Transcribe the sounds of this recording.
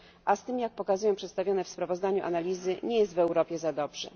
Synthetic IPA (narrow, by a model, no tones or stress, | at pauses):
ʔast̪ɘmjak̚pɔkazujɔ̃pʂɛt̪st̪avʲjɔnɛfspɾavɔzd̪aɲuʔa̰nalʲizɘɲɛjɛst̪vɛwɾɔpʲjɛzad̪ɔbʐɛ̰